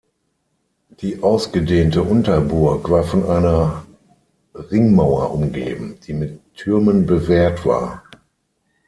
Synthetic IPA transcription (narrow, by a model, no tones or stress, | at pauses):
d̥iːʔaʊsɡ̥ədeːntəʔʊntɐbʊɐkv̥aːɐfɔnʔaɪnɐ | ʁɪŋmaʊɐʔʊmɡḛːbm̩d̥iːmɪtʰːʏɐmənbəvɛːɐtv̥a̰ːɐ